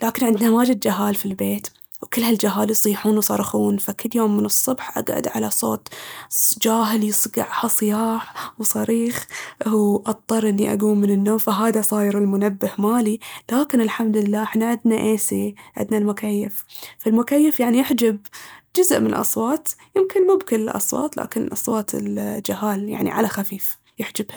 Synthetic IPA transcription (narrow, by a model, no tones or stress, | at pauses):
laːkɪnʕɪnd̪nawaːd͡ʒɪd̪̚d͡ʒaɦaːlfilbeːt̪ | wkɪlːhald͡ʒaɦaːljsˤiːħuːnwsˤɑɾˤxuːnfakɪlːjoːmːɪnɨsˤːʊbħʔa̰ɡʕa̰d̪ʕalasˤo̰ːt̪ | d͡ʒaːɦɪljɨsˤɡɑ̰ʕhasˤɨjaːħwsˤɑɾiːx | ʔɑt̪ˤːɑɾˤʔɪnːiʔa̰ɡuːmːɪnɪnːoːmfaɦaːðasˤɑːjɪɾɪlmʊnabːɪhmaːlilaːkɪnɪlħamd̪lɪlːaːʔɪħnaʕɪd̪naʔeːsiʕɪ̰d̪nalmʊkajːɪfːalmʊkajːɪfjaʕnijɪħd͡ʒab̚d͡ʒʊzʔmɪnnlʔɑ̰sˤwɑːt̪jɪmkɪnmʊbkɪlɪlʔɑ̰sˤwɑ̰ːt̪la̰ːkɪnʔɑsˤwɑːt̪ʰɪ̰ld͡ʒɪɦaːlja̰ʕnḭʕa̰laxafiːf | jɪħd͡ʒɪbha